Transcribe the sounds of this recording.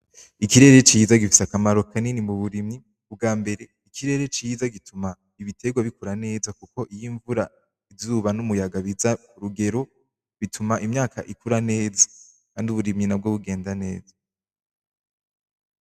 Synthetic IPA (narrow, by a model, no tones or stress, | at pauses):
ikiɾe̞ɾe̞t͡ʃiːzaɡifi̥sakamaɾo̞kaninimuβuɾimɲi | ub̚ɡaːmbe̞ɾe̞ | ikʰiɾe̞ɾe̞t͡ʃizaɡitʰuma | iβitʰe̞ɡwaβikuɾane̞ːzakuko̞ʔijiɱvuɾa | ivzuːβanumujaɡaβiza | uɾuɡe̞ɾo̞ | βitʰumaʔimɲaːka̰ʔikuɾane̞ːzḁ | kaːnduβuɾimɲinab̚ɡoβuɡe̞ːndane̞ːzḁ